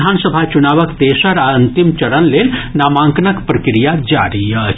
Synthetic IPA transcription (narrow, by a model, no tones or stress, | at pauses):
aːnsəbʱat͡ʃʊnaːʋəkt̪eːʃəɾaə̃nt̪ɪmt͡ʃɐɾənleːnnaːmãːŋknəkpɾɐkɾijad͡ʒa̰ːɾiɛ